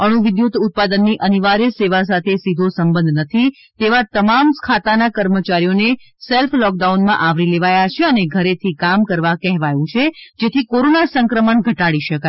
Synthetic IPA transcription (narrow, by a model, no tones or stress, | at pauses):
əɽ̃uʋɪd̪jut̪ʊt̪̚pad̪ənːiʔəniʋaɾjəseʋas̬at̪ʰesid̪ʱosəmbə̃nd̪ʱnət̪ʰi | t̪eʋat̪əmamkʰat̪anakəɾmət͡ʃaɾijone | selflɔk̚ɖaunmãʔaʋɾileʋajat͡ʃʰeəneɡʱəɾet̪ʰikamkəɾʋakɛɦʋajũt͡ʃʰed͡ʒet̪ʰikoɾonasəŋkɾəməɳɡʱəʈaɽiʃəkaj